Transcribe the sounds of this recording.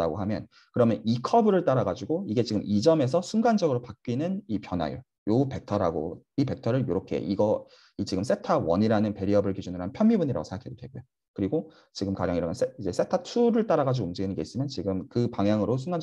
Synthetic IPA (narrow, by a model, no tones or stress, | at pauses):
taɡo̰ɦamjʌn | kɯɾʌmjʌnikʰʌbɯɾɯɭt͈aɾaɡad͡ʑuɡoiɡe̞t͡ɕiɡɯmʔid͡ʑʌme̞s̬ʰʌsʰuŋɡand͡ʑʌɡɯɾopak̚k͈ɥinɯnipjʌna̰jo̰ | joupe̞k̚tʰʌɾa̰ɡo̰ | ipe̞k̚tʰʌɾɯɭjoɾokʰe̞̰ʔiɡʌ | it͡ɕiɡɯms͈ʰe̞tʰawʌ̰ɲiɾanɯnpe̞ɾiʌbɯɭkid͡ʑunɯɾannpʰjʌmːibuɲiɾa̰ɡosʰeŋakʰedodweɡojo | kɯɾiɡo | t͡ɕiɡɯmkad͡ʑʌŋiɾamjʌnseid͡ʑe̞sʰe̞tʰatʰuɾɯɭt͈aɾaɡad͡ʑoɡouŋd͡ʑiɡinɯnɡe̞is͈ɯmjʌnt͡ɕiɡɯmkɯpaŋjaŋɯɾos̬ʰuŋɡan